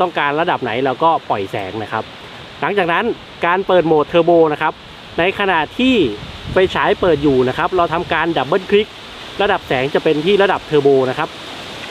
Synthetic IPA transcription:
t̪ɔ˥˩ŋkaː˧nɾa˧da˨˩p̚na˩˦jlɛː˦˥wkɔː˥˩pɔ˨˩jsɛ̰ː˩˦ŋna˦˥kʰa˦˥p̚ | la˩˦ŋt͡ɕaː˨˩k̚na˦˥n | kaː˧npɤː˨˩t̪̚moː˨˩t̪ʰːɤː˧boː˧na˦˥kʰa˦˥p̚ | na˧jkʰa˧na˨˩t̪ʰiː˥˩pa˧jt͡ɕʰaː˩˦˥jpɤː˨˩t̪̚juː˨˩na˦˥kʰa˦˥p̚ɾa˧wt̪ʰa˧mkaː˧nda˨˩p̚bɤː˥˩nkʰli˦˥k̚ | ɾa˧da˨˩p̚sɛː˩˦ŋt͡ɕa˨˩pe˧nt̪ʰiː˥˩ɾa˧da˨˩p̚t̪ʰɤː˧boː˧na˦˥kʰa˦˥p̚

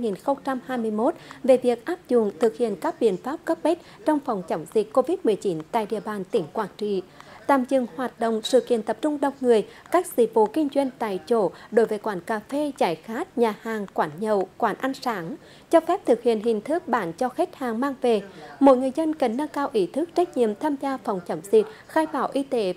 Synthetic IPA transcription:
a˧jŋi˨˩nxə˧wŋ͡mt͡ɕa˧mhaː˧jmɨ˧əjmo˦˥t̚ve˨˩vi˨˩ək̚ʔaː˦˥p̚zʊ˧˩˨nt̪ʰɨ˨˩k̚hḭ˧˨ənkaː˦˥k̚ɓḭ˧˨ənfaː˦˥p̚kə˦˥p̚ɓe˦˥t̚t͡ɕɔ˧wŋ͡mfa˨˩wŋ͡mt͡ɕə˨˦wŋ͡mzi˨˩kkːo˧vi˦˥t̚mɨ˨˩əjt͡ɕi˨˦nt̪a̰ː˧˨jɗḭ˧˨əɓaː˨˩nt̪ï˧˩˦ŋ̟kwaː˧˩k̚t͡ɕḭ˧˨t̪a̰ː˧˨mzɨ˨˧˩ŋhwaː˨˩t̚ɗə̰˧˨wŋ͡msɨ̰˧˨kḭ˧˨ənt̪ə˨˩p̚t͡ɕʊ˧ŋ͡mɗə˨˩wŋ͡mŋɨ˨˩əjkaː˦˥k̚zḭ˧˦vo̰˧˦kï˧ŋzwə˧jn̟t̪a̰ː˧˨jt͡ɕo˧˦ɗo˨˦jvəː˨˦jkwaː˨˦nkaː˨˩fe˧t͡ɕaː˧˩jxaː˦˥t̚ɲaː˨˩haː˨˩ŋkwaː˨˦nɲə˨˩wkwaː˨˦nʔa˧ŋsaː˨˦ŋ | t͡ɕɔ˧fɛ˦˥p̚t̪ʰɨ˨˩k̚hḭ˧˨ənɦï˨˩ŋ̟t̪ʰɨ˦˥k̚ɓaː˨˦nt͡ɕɔ˧xe˦˥t̚haː˨˩ŋmaː˧ŋve˨˩mo̰˧˥˦jŋɨ˨˩əjzə˧nkə˨˩nːa˧ŋkaː˧wʔi˧˦t̪ʰɨ˦˥k̚t͡ɕa˦˥jk̟̚ɲḭ˧˨əmt̪ʰaː˧mzaː˧fɔ˨˩wŋ͡mt͡ɕə˨˦wŋ͡mzï˨˩k̚ | xaː˧jɓaː˧˦wʔi˧t̪e˨˦

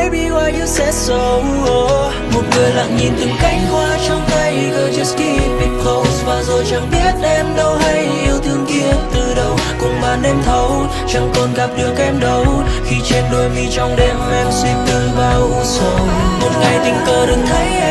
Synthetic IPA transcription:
jɓi˧waː˧jɲɨ˧˥sɛ̰˧˥sə˨˦w | ʔ | mo˨˩t̚ŋɨ˨˩əjla̰ː˧˨ŋɲi˨˩nt̪ɨ˨˩ŋka˧˥jk̟̚kwaː˧t͡ɕɔ˧wŋ͡mt̪a˧jɣəː˨˩t͡ɕə˦˨˦ski˧ɓi˧˩ŋkʰlo˧˦wsvaː˨˩zo˨˩jt͡ɕa˨˩ŋɓi˦˥ət̚ʔɛ˧mɗə˧wɦa˧jɲi˧˩əwt̪ʰɨ˧əŋki˧ənt̪ɨ˨˩ɗə˨˩wkʊ̰˨˧˥ŋ͡mɓaː˨˩nɗe˧mt̪ʰə˨˦w | t͡ɕa˧˩ŋkɔ˨˩nɣaː˨˩p̚ɗɨ˨˩ək̚ʔɛ˧mɗə˨˧˦wxi˧t͡ɕe˧nɗo˧jmi˧t͡ɕɔ˧wŋ͡mɗe˧˩mʔɛ˧wswi˧nt̪ɨ˧ŋvaː˨˩ʔu˧sə˨˦mo˨˩t̚ŋa˨˩jt̪ï˨˩ŋ̟kəː˨˧˩ɗɨ˨˩˦ŋ̚t̪ʰə˨˦j

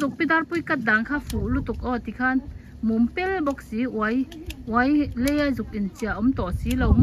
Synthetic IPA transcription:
zu˨k̚pi˥d̪a˦rpu˧jka˥t̪̚da˨ŋkʰaː˦˥fʰu˨ʔlu˦t̪u˨k̚ʔɔ˧˨t̪i˨kʰa˥n | mu˨mpɛ˦lbɔ˧˨k̚si˨˦ʔwa˦j | ʔwa˨˦jle˦ja˧zu˨k̚ʔi˨nt͡si˧˨a˨ʔɔ˨˦mt̪ɔ˨ʔsi˨˦lo˧w

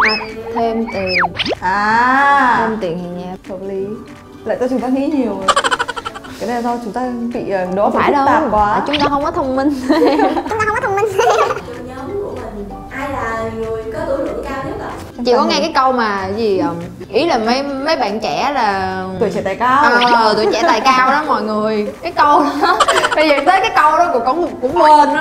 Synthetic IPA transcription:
a˨˩t̪ʰe˧mt̪i˨˩ənʔaː˨˩e˧mt̪i˨˩ən˨˩ɲaː˧˩fʰə˧˩li˨˦ | la̰ː˧˨t̪a˧˩t͡ɕʊ˨˦ŋ͡mt̪ːŋḭ˧˥ɲi˨˩əw | kaː˨˩˦ɗa˧˩sɔ˧t͡ɕʊ˨˦ŋ͡mt̪aː˧ɓḭ˧˨əː˨˩ɗɔ˨˦˧aː˦˧˩jlo˦˧t̪a̰ː˧˩kwaː˧˩˨t͡ɕʊ˨˦ŋ͡mt̪aː˧˩ɦə˧wŋ͡mkɔ˨˦t̪ʰə˧wŋ͡mmï˧ŋ̟˧ʊ˦t̪aː˧xə˧wŋ͡mkɔ˦t̪ʰə˧wŋ͡mmï˧ŋ̟˨t͡ɕɨ˧˩ɲə˨˦mkṵ˧˩əmï˨˩ŋ̟ | ʔaː˧jlaː˨˩ŋɨ˨˩əjkɔ˨˦t̪ɨ˧˦nɨ˨˧˩əkaː˧wɲɨ˨˦˥ɗ̪ə̰˧˨˩ | t͡ɕḭ˧˨kɔ˨˦ŋɛ˧kaː˨˦jkə˧wmaː˨˩˨jzi˨˩ʔəː˨˩m | ʔi˨˦laː˨˩mə˨˦jmə˨˦jɓa̰ː˧˨nt͡ɕɛ˧˨˦laː˨˩˨u˧˨˩t͡ɕɛ̰˧˩t̪aː˨˩jka˧wəː˨˩t̪u˧˨t͡ɕɛ̰˧˩t̪aː˨˩jkaː˧wɗɔ˨˦mɔ̰˧˨jŋɨ˨˩əjkaː˨˦jkə˧wɓə˧jzəː˨˩˨t̪ʰəː˨˦jkaː˨˦jkə˧wɗɔ˨˦ku˧˩əkɔ˧˦n˧kʊ̰˧˥ŋ͡mə˧n

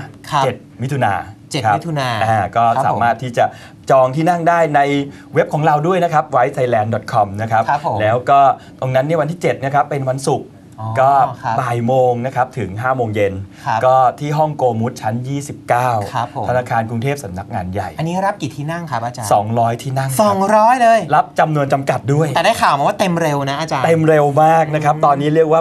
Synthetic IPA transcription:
t͡ɕe˨˩t̪̚mi˦˥t̪ʰu˧na̰ː˧t͡ɕe˨˩kʰa˦˥t̪ʰu˧naː˧ʔaː˧˩kɔː˥˩ssaː˦maː˥˩t̪ʰːiː˥˩t͡ɕa˨˩ʔ | t͡ɕɔː˧ŋt̪ʰiː˥˩na˥˩ŋdaː˥˩jna˧j | we˦˥p̚kʰɔː˩˦ŋɾa˧wdu˥˩əjna˦˥kʰa˦˥p̚wa˦˥jt̪ʰa˧jlɛː˧ndɔ˨˩t̪̚kʰɔ˧mna˦˥kʰa˦˥p̚ʰlɛː˦˥wkɔː˥˩ | t̪o˧ŋna˦˥nːi˥˩əwa˧nt̪iː˥˩t͡ɕe˨˩t̪̚ni˥˩kʰa˦˥pːe˧nwa˧nsu˨˩k̚ː | kɔː˥˩˦paː˨˩jmoː˧ŋna˦˥kʰa˦˥p̚t̪ʰɯ˩˦ŋɦaː˥˩moː˧ŋje˧nkɔː˥˩t̪ʰiː˥˩ɦɔ˥˩ŋkoː˧mu˦˥t̪̚t͡ɕʰa˦˥njiː˥˩si˨˩p̚kaː˥˩wʰpʰo˩a˧naː˧kʰaː˧nku˧ŋt̪ʰeː˥˩p̚sa˩˦mna˦˥k̚ŋaː˧nja˨˩jʔa˧nːiː˦˥ɾa˦˥p̚ki˨˩t̪ʰiː˥˩na˥˩ŋkʰa˦a˧t͡ɕa˧sɔ̰ː˩˦ŋɾɔː˦˥jt̪ʰiː˥˩na˥˩sɔː˩˦ŋɾɔː˦˥jlɤː˧jɾa˦˥p̚t͡ɕa˧mnu˧ənt͡ɕa˧mka˨˩t̪̚du˥˩əj̪ɛː˨˩daː˥˩jkʰaː˨˩wma˧waː˥˩t̪e˧mɾe˧wna˦˥ʔa˧˩t͡ɕaː˧t̪e˧mɾe˧wmaː˥˩k̚na˦˥kʰa˦˥p̚t̪ɔː˧nːiː˦˥ɾi˥˩ək̚waː˥˩

